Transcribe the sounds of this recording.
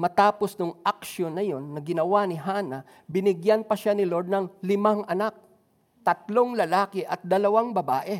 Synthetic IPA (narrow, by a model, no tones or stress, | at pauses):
mɐt̪aːpo̞snʊŋʔɐk̚ʃonːɐjo̞nːɐɡɪnɐwanɪɦaːnɐ | bɪnɪɡjanpɐʃanɪloɹd̪̚nɐŋlɪmaŋʔɐnak̚ | t̪ɐt̪̚lo̞ŋlɐlaːkɪʔɐt̪̚d̪ɐlɐwaŋbɐbaːʔɛ